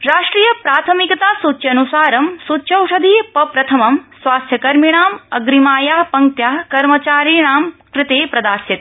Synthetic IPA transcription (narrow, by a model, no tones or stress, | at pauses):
ɾaːʂʈɾiːjɐpɾaːt̪ʰɐmikɐt̪aːsut̪ʃʰjɐnusaːɾɐmsutːʃʰjɐwʂɐd̪ʱiːpɐpɾɐt̪ʰɐmɐmsʋaːst̪ʰjɐkɐɾmiɳ̃aːmɐɡɾimaːjaːpɐŋkt̪jaːkɐɾmɐt͡ʃaːɾiɳaːmkɾɪt̪eːpɾɐd̪aːsjit̪